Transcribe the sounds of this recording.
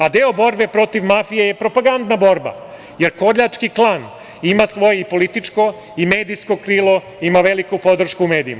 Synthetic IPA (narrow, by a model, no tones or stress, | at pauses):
ad̪eobo̞ɾbe̞pɾo̞t̪iʋmafijejepɾo̞paɡand̪nabo̞ɾba̰ | je̞ɾko̞ɾʎat͡ʂkiklˠaːn | imasʋo̞jeipo̞lit̪it͡ʂko̞ | ime̞ːd̪ijsko̞kɾiːlˠo̞ | imaʋelikupo̞d̪r̩ʃkuume̞ːd̪ḭma